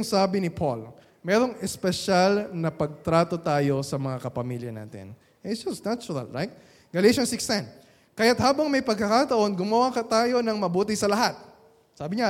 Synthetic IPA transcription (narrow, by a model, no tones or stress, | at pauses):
ŋsaːbɪnɪpʰol | mɛɾo̞ŋɛspɛʃalnɐpɐɡ̚t̪ɾaːt̪o̞t̪aːjo̞sɐmɐŋakɐpɐmiljɐna̰ːt̪ɪ̰n | ʔɛtd͡ʒɐsnat͡ʃʊɾɐ̰lɹajt̪̚ | ɡɐlejʃonsɪkst̪ɛn | kɐjat̪haːbɐŋmɐjpɐɡ̚kɐkat̪ɐʔo̞nɡʊmɐwakɐt̪aːjo̞nɐŋmɐbuːt̪̬ɪsɐlɐɦat̪̚ | saːbɪɲa